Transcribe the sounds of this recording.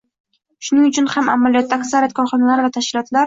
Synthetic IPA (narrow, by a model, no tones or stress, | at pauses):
ʃʊnɪŋʊt͡ʃʰʊnhama̰malijɒt̪̚ːaːksaɾijat̪̚kʰɒɾχɒnalaɾvat̪ʰaʃkʲɪlɒt̪laɾ